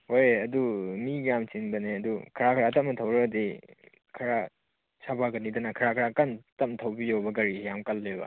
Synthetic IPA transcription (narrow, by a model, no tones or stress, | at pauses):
hojɐdumiɡɾamt͡ʃinbɐneɐdukʰɐɾakʰɐɾatɐmnɐtʰɐwɾɐde | kʰɐɾa | sabaɡɐnidɐnɐkʰɐɾakʰɾakantɐmtʰɐwbijowbɐɡɐɾijamkɐlːebɐ̰